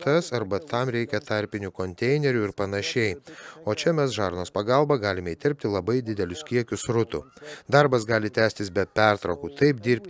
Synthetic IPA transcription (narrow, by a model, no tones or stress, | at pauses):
t̪ɐsɐɾbɐt̪ɐmɾʲɛɪkʲɛt̪ɑɾʲpʲɪnʲuːkoːnʲt̪ʲɛɪnʲɛɾʲuɪɾpɐnɐʃʲɛɪoːt͡ʃʲɛmʲɛsʒɑːɾnoːspɐɡɑlˠbɑɡɑːlʲɪmʲɛiːt̪ʲɪɾʲp̚ʲt̪ʲɪlˠɐbɐɪd̪ʲɪd̪ʲɛlʲʊskʲiɛkʲʊsɾʊt̪ʊ̰d̪ɑɾbɐsɡɑːlʲɪt̪ʲæːsʲt̪ʲɪsbʲɛpʲæɾt̪ɾɐʊkuːt̪ɐɪp̚d̪ʲiːɾʲpʲt̪ʲ